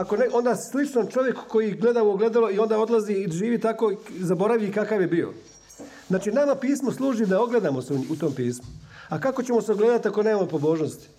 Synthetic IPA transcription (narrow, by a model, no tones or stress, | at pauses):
ako̞neʔo̞nd̪aslit͡ʃnomt͡ʃo̞ʋjeku̥ko̞jiɡle̞d̪auoɡle̞d̪aloio̞nd̪ao̞d̪lˠaziiʒiːʋit̪ako̞zabo̞ɾaʋikakaʋjebiːo̰ | znaːt͡ʃinamapiːsmoslˠuːʒid̪ao̞ɡle̞d̪amo̞seut̪o̞ːmpiːsmoakako̞t͡ɕe̞mo̞seoɡle̞ːd̪at̪iako̞neːmamopobo̞ːʒnost̪i̥